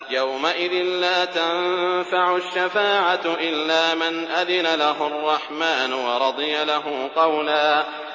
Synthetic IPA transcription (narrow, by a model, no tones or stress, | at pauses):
jawmaʔɪðɪnlaːt̪anfaʕʊʃːafaːʕaʔɪlːaːmɪnʔaðɪnalaɦʊɑrˤːɑħmaːnʊwɑɾˤɑd̪ˤɨjalaɦʊqɑwlaː